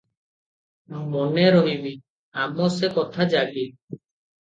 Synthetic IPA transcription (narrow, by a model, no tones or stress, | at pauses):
mɔneɾɔɦimi | amɔsekɔt̪ʰad͡ʒaɡi